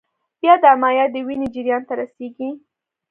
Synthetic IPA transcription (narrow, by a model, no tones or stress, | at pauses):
b̥jɑd̪əamɑjɑd̪əwined͡ʒɪɾjɑnt̪aɾaseɡi